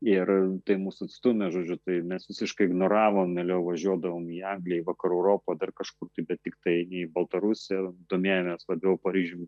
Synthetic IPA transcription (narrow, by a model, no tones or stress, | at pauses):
ɪrt̪ɐɪmuːsʊt̪st̪ʊmʲɛʒoːd͡ʒʲʊt̪ɐɪmʲɛsʋʲɪsʲɪʃkɐɪɪɡnoːɾɑːʋoːmʋʲɛːlʲɛʊʋɐʒʲuɔd̪ɐʋoːmiːɑŋɡlʲɪjɛiʋɐkɐɾɛʊɾoːpoːd̪ɐrkɐʃkʊrt̪ɐɪbʲɛt̪tʲɪkt̪ɐɪnʲɛɪbɐlˠt̪ɐɾʊsʲɪjɛd̪oːmʲeːjɛmʲɛːsʋɐbʲɛʊpɐɾʲiːʒʲʊm